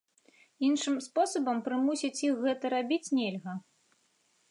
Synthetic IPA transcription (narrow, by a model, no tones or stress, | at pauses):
inʂɨmspɔsɐbɐmpɾɨmusʲit͡sʲixɣɛt̪ɐɾabʲit͡sʲnʲɛlʲɣɐ